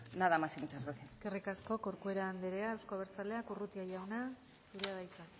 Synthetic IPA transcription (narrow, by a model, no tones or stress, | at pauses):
naðamasimut͡ʃasβokeske̞rikasko̞koɾkue̞ɾaːnd̪eɾeaewskoβeɾt͡saleakurut̪iajawna | suɾeaðajt͡sa